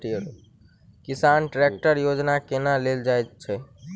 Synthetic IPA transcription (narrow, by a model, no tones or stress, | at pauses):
ʈiəɾ | kisanʈɾek̚ʈəɾjod͡ʒnakenaleld͡ʒajt͡ʃʰɛ